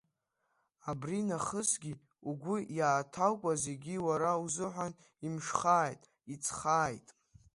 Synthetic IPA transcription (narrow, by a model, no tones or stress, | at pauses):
abrinaχəsɡʲi | uɡʷʊjaːtʰalkʷʼaze̞ɡʲiwaɾauzɨħʷan | imʂχaːjtʼ | it͡sʰχaːjtʼ